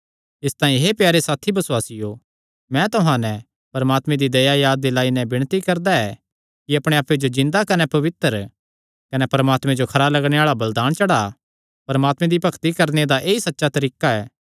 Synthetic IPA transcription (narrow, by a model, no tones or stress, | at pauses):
ɪst̪ãːĩɦepjaːɾesaːt̪ʰibɐsʊwaːsɪjo | mɛ̃t̪ʊɦãːnɛ̃ | pɐɾɐmaːt̪mɛ̃d̪id̪ɐjajaːd̪̚ːelaːinɛ̃bɪɽ̃t̪ikɐɾd̪aɛː | kiɐpɽ̃eaːped͡ʒod͡ʒɪ̃nd̪akɐnɛpɐʋɪt̪ːəɾ | kɐnɛpɐɾɐmaːt̪mɛ̃d͡ʒokʰɐɾalɐɡɽ̃eaːɭabɐld̪aːñt͡ʃɐɽa | pɐɾəmaːt̪mɛ̃d̪ipɐkʰt̪ikɐɾned̪aʔeːisɐtːʃat̪ɐɾiːkaɛː